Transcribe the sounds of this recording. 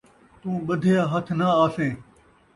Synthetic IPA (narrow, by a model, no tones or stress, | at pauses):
t̪ũːɓəd̪ʱjaːɦət̪ʰnaaːsẽː